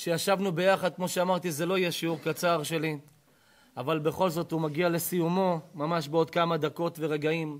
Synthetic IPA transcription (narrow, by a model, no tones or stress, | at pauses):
ʃejaʃavnube̞jaχad̪̚kmo̞ʃeamaʁt̪izelo̞ijɛʃeuʁkat͡saʁʃe̞li | avalbe̞χo̞lzo̞t̪humaɡiale̞sijumo̞mamaʃbeo̞d̪̚kamad̪ako̞t̪ve̞ʁeɡaim